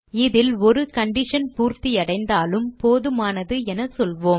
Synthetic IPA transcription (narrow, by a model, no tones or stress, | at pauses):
ɪðɪlɔɾɯkɐɳɖɪʂɐnpuːɾt̪ijɐɽɐɪnd̪aːlɯmpoːðɯmaːnɐðɯɛnɐsɔlʋoːm